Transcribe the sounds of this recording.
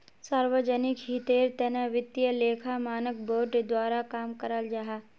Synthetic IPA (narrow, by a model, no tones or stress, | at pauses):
saːɾwəd͡ʒənɪkɦit̪eːɾt̪ənəʋɪt̪ːjəleːkʰamaːnək̚boːɾɖd̪waːɾakaːmkəɾəld͡ʒaɦaː